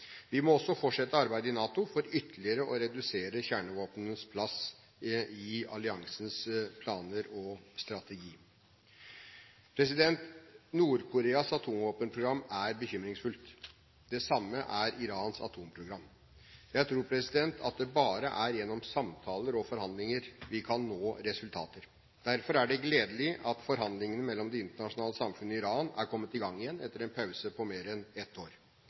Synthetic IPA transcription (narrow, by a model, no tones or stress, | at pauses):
ʋɪmɔɔsːɔfɔʈʂɛt̪ːəɑɾbæɪd̪əɪnɑːt̪ʊfɔɾʏt̪ʰəlɪəɾəʔɔɾɛd̪ʉseːɾəçæːɳəʋoːpnənspʰlɑs | ɪɑ̰lɪɑŋsənspʰlɑːnəɾɔst̪ɾɑt̪ɛɡiː | pʰɾɛs̬ɪd̪ɛnt̪nuːɾkʰʊɾeːɑsɑt̪ʰuːmʋoːpənpʰɾʊɡɾɑmːæɾbəçʏmɾɪŋsfʉlt̪ | d̪ɛsɑmːəʔæɾɪɾɑːnsɑ̰t̪ʰuːmpʰɾʊɡɾɑmː | jæɪt̪ʰɾuːɾpʰɾɛsɪd̪ɛnt̪ʰɑ̰t̪̚d̪ɛbɑːɾə̰ʔæɾjɛnːɔmsɑmt̪ʰɑːləɾɔfɔɾhɑnd̪lɪŋəɾʋɪkʰɑnːoːɾɛsʉlt̪ʰɑ̰ːt̪əɾ | d̪̥æɾfɔɾæɖɛɡleːd̪əlɪʔɑt̪fɔɾɦɑnd̪lɪŋənəmɛlːɔmd̪ɛɪnt̪əɳɑʂʊnɑːləsɑmfʉnːəɪɾɑːnæ̰ɾkʰɔmːət̪ɪɡɑŋːɪjɛnːɛt̪ːəɾɛnpʰɑʉsəpʰɔmeːɾɛnɛt̪ʰːoːɾ